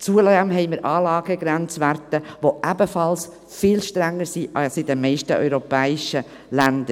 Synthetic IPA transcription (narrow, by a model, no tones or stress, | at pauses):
t͡suəlæmɦɛɪməɾʔɑːlɑːɡəɡɾænt͡sʋæɾtəʋoʔæbəfɑls | fɪːlʃtɾæŋːəɾsiʔɑsid̪əmɛɪʃtəʔœ̰ʏɾopɛːɪʃə | lænd̪ə